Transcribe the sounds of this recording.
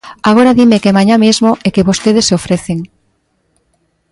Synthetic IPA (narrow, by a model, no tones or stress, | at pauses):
aɣ̞oɾaðimekemãɲãmezmoʔekeβost̪eðesofɾeθeŋ